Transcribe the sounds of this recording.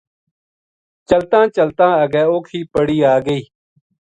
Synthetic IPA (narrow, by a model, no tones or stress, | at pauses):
t͡ʃəlt̪ãːt͡ʃəlt̪ãːəɡɛːoːkʰiːpəɽiːaːɡəiː